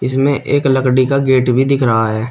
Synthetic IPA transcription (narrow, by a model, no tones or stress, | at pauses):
ɪsmẽʔeːkləkɽikaɡeːʈbʱid̪ɪkʰɾəɦaɦɛː